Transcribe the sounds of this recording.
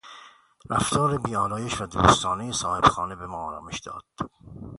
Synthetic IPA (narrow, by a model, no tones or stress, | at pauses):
ɾʔæft̪ʰɒːɾebiːɒːlɒːjeʃvæd̪ṵːst̪ɒːnejesɒːhe̞b̥xɒːnebemɒːɒːɾɒ̰ːmeʃd̪̥ɒ̰ːd̪̥